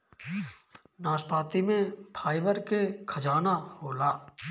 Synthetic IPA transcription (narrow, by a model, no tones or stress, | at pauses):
naːspaːt̪imẽpʰaːɪbəɾkekʰəd͡ʒaːnahoːlaː